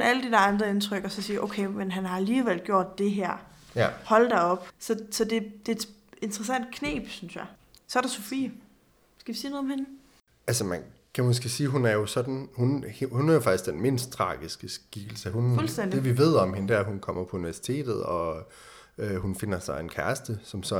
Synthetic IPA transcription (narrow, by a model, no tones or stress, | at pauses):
næləd̥ed̥æɐɑ̈nd̥ʁɐe̝nt͡sʰʁœɡ̥ɒsɒ̽siːʔoʊkʰeɪmenɦænhɑ̈æliːʋel̰ɡ̥jo̝ɐ̰d̥ːe̝ɦæɐ̰ | hɒ̽ld̥æɒ̽b̥sɒ̽sɒ̽d̥e̝d̥e̝ːd̥e̝nd̥ʁɐs̬æn̰d̥̚kʰnḛːb̥synsjɑ̈ | sɒ̽ɐɾ̥ɑ̈sofḭː | sɡ̥æʋisiːnoðˠɒ̽mhe̝nə | ælsəmænkʰæmæns̬ɡ̥æsiːɦunæɐjo̝sɒ̽d̥n̩hunhunæɐjo̝fɑ̈ɡ̥isɡ̥d̥enme̝̰n̰sd̥̚t͡sʰʁɑ̰̈ːɡ̥isɡ̥əsɡ̥iɡ̥l̩səhunfulsd̥en̰d̥eʋiʋe̝ð̞̰ˠɒ̽mɦe̝nəd̥æɐ̰ɦunkʰɒ̽m̰ɐpʰɒ̽uniʋæɐsi̥t͡sʰe̝̰ːd̥ð̞̩ˠɒ̽ | øɦunfe̝n̰ɐsɑ̈ɪe̝nkʰæɐsd̥əsɒ̽msɒ̽